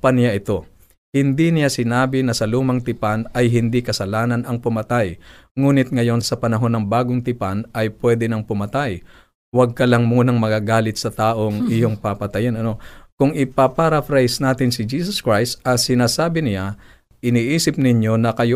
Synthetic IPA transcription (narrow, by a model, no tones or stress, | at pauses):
pɐnɪjaʔɪt̪o̞ | hɪnd̪inɪjasɪnaːbɪnɐsɐluːmɐŋt̪ɪpanɐjɦɪnd̪ikɐsɐlaːnɐnɐŋpʊmɐt̪aj | ŋuːnɪt̪̚ŋɐjo̞nsɐpɐnɐɦo̞nːɐŋbaːɡoŋt̪ɪpanʔɐjpwɛd̪ɛnɐŋpʊmɐt̪aj | wɐɡ̚kɐlɐŋmuːnɐŋmɐɡaːɡaːlɪt̪̚sɐt̪aːʔo̞ŋʔɪjo̞ŋpapɐt̪ɐjɐnɐno̞kʊŋʔɪpapaɾɐfɾajsnaːt̪ɪnsɪd͡ʒiːsoskɹajst̪ɐsɪnaːsaːbɪnɪja | ʔɪniːʔiːsɪp̚nɪɲjo̞nɐkɐjo